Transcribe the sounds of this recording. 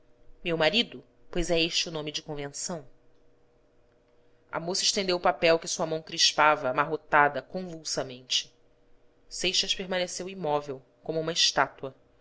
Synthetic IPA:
mewmaɾid̪ʊ | pojzɛeʃt͡ʃɪʊnõmɪd͡ʒɪkõvẽsɐ̃w̃ | ɐ̰mosɐɪʃt̪ẽnd̪ewʊpapɛwkɪsuɐmɐ̃w̃kɾiʃpavɐːmaɦot̪ad̪ɐkõvuwsɐmẽnt͡ʃɪ̥ | sejʃɐʃpeɾmɐ̃nesewimɔvew | kõmʊũmɐɪʃt̪at̪uɐ

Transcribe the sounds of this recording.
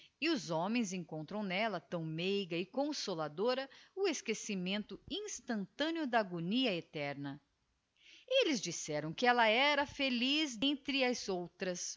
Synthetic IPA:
ɪʊzõmẽj̃zẽŋkõnt̪ɾɐ̃w̃nɛlɐt̪ɐ̃w̃mejɡɐɪkõsolad̪oɾɐʊeskesimẽnt̪ʊĩst̪ɐ̃nt̪ɐ̃nɪʊd̪ɐːɡoniɐet̪ɛɾnɐ | elɪzd͡ʒisɛɾɐ̃w̃kɪɛlɐɛɾɐfelizẽnt̪ɾɪɐzowt̪ɾɐs

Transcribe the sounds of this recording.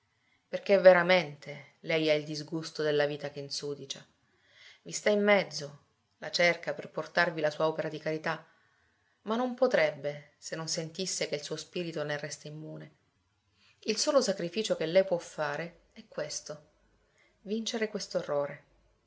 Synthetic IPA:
perk̟evːeɾament̪ʰe | lɛjaild̪izɡust̪od̪elːaviːt̪ak̟einsuːd̪it͡ʃa | vist̪aimːɛd̪zːo | lat͡ʃerkaperport̪arvilasuːaɔpeɾad̪ikaɾit̪a | manːompot̪ɾɛbːe | senːonsent̪isːek̟eilsuːospiːɾit̪onerɛst̪eimːuːne | ilsoːlosakɾifiːt͡ʃok̟elːɛjpwɔfːaːɾe | ɛkːwest̪o | vint͡ʃeɾekwest̪oerːoːɾe

